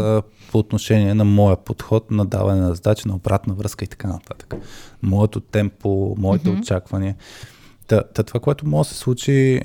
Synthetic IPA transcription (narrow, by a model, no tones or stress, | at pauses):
pʰoːt̪noʃɛniɛnɐmɔjəpot̪xɔt̪nɐd̪a̰vɐnɛnɐzɐd̪at͡ʃinɐobɾat̪nɐvɾɤəskəit̪ɐ̥kanɐt̪at̪ə̥kə̥mɔət̪ot̪ɛmpːomɔit̪ɛot͡ʃakvɐniət̪ɐt̪ɐt̪ovakoɛt̪omɔɡəsɛ̥slˠut͡ʃi